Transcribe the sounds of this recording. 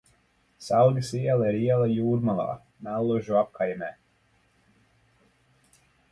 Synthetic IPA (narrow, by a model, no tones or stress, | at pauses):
salɡʲisiɛlˠaiɾiɛlˠajuːɾmalˠa̰ː | nɛlˠːuʒuap̚kʰajmɛː